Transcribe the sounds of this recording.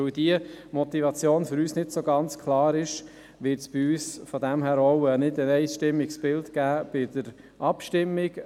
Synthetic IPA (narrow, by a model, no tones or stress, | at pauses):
øwdiəmɔt̪ivɑt͡sjoːnfʏɾyːsnɪtsoɡɑnt͡skʰlɑːɾɪʃ | ʋɪɾtsb̥ɪyːsfodɛmɦæːɾoʊənɪdənɛɪsʃtɪmːɪksb̥ɪltɡ̥æːb̥ɪd̥əɾ | ʔɑpʃtɪmːɪk